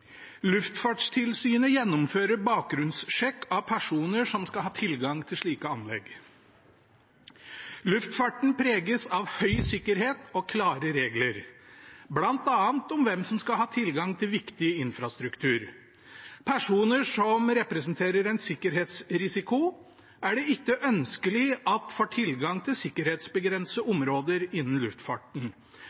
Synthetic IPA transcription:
lʉft̪fɑːʈʂt̪ʰɪlsyːnəjɛnːʊmføːɾəbɑːk̚ɡɾʉnsʂɛkːɑʋpʰæʂuːnəʂɔmskɑlhɑːt̪ʰɪlɡɑŋt̪ʰɪʂɭiːkəɑnlɛ̰ɡ | lʉft̪fɑːʈɳ̩pʰɾeːɡəsɑʋhœʏsɪkːəɾheːt̪ɔkʰlɑːɾəɾeːɡləɾ | blɑnt̪ɑːnt̪ɔmʋɛmsɔmskɑlɦɑːt̪ʰɪlɡɑŋt̪ʰɪlʋɪkt̪ɪɪnfɾɑst̪ɾʉkt̪ʰʉːɾ | pʰæʂuːnəʂɔmɾɛpɾɛsnt̪ʰeːɾəɾɛnsɪkːəɾɦeːt̪sɾɪsɪkʊ | æɖɛɪkːəʔœnskəlɪʔɑt̪foːʈʰɪlɡɑŋt̪ʰɪlsɪkːəɾheːt̪sbəɡɾɛnsəʔɔmɾoːd̪əɾɪnːən̩lʉft̪fɑ̰ʈɳ̩

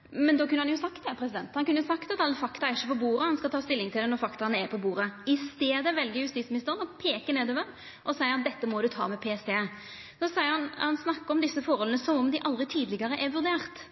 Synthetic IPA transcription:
mɛnd̪oːkʰʉnːəhɑnjʊsɑkt̪d̪ɛpʰɾɛsɪd̪ɛnt̪hɑnkʉnəjʊsɑkt̪ɑt̪ɑlːəfɑkt̪ɑɾɪçːəpɔbuːɾəhɑnskɑlt̪ɑːst̪ɪlːɪŋt̪ɪld̪ɛnɔʁfɑkt̪ɑnɛpʰɔbuːɾəɪst̪eːd̪əʋɛlɡəɾjʉst̪iːtsmɪnɪst̪əɾənɔpʰeːkəneːd̪oːʋəʁ | ʔɔsæɪəɑt̪̚d̪ɛt̪ːəmɔd̪ʉt̪ʰɑ̰ːmɛpʰeːse | sɔsæɪəɾhɑnhɑnsnɑkːəɔmd̪ɪsːəfɔɾhɔlənəsɔmɔmd̪ɪʔɑld̪ɾɪt̪ʰiːd̪lɪɡɑɾəʔɛʋʉɾd̪eːʁt̪

